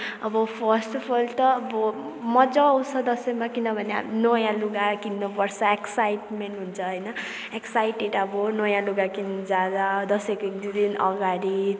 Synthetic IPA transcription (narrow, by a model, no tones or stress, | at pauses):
ʌbʌpʰʌɾsʈpʰʌlt̪ʌːbʌ | mʌd͡zʌːwsʌd̪ʌsʌmakinʌbʱʌnea̰nojãluɡakinːopʌɾsʰʌeksajʈmeɳʈɦunt͡sʰʌɦʌjnʌ | eksajʈeʈʌbʌnojãluɡakind͡zad̪ad̪ʌsʌjkoek̚d̪id̪inʌ̰ɡaɾi